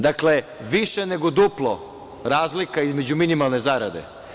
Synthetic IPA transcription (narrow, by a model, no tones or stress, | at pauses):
d̪akle̞ʋiʃeneɡod̪uplˠo | ɾaːzlikaizmed͡ʑuminimalˠne̞zaɾa̰d̪ḛ